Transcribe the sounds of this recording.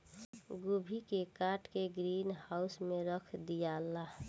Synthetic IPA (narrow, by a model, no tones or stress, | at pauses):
ɡobʱikekaːʈkeɡɾiːnhaʊsmẽɾəkʰd̪ijala